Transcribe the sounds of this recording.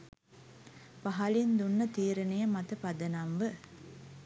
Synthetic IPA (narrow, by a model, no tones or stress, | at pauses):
pɐɦɐlind̪unːɐt̪iːɾɐnɐjɐmɐt̪ɐpɐd̪ɐnɐmʋɨ